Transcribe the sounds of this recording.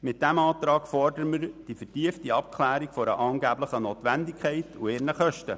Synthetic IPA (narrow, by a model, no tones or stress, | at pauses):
mɪt̚d̥æmɑːt̪ɾɑːɡfɔrdəɾməɾd̥ifərtiəftiɑp̚kʰlæːɾikfɔɾə̰ʔɑːŋɡæːbləχənoːt̪ʋændikʰχɛɪtʰueːɾnəχœʃtə̰